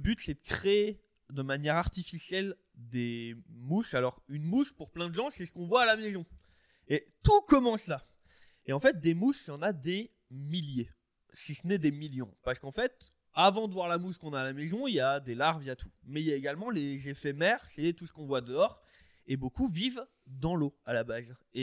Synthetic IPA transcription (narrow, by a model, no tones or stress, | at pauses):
ləbyt̪sɛd̪əkχeː | d̪əmanjɛʁaʁt̪ifisjɛl | d̪emusalɔʁynmuspuʁplɛ̃d̪əʒɑ̃sɛsə̥kɔ̃vwaːlamezɔ̃ | et̪ukɔmɑ̃sla | eɑ̃fɛt̪̚d̪emusjɑ̃nad̪e | milje | sisənɛd̪emiljɔ̰̃paʁsə̥kɑ̃fɛt̪ | avɑ̃d̪əvwaʁlamuskɔ̃naːlamezɔ̃iljad̪elaʁvijat̪ʰu̥mɛiljaeɡalmɑ̃lezefɛmɛʁsɛt̪usə̥kɔ̃vwad̪əɔʁ | ebokuviv | d̪ɑ̃loalabaze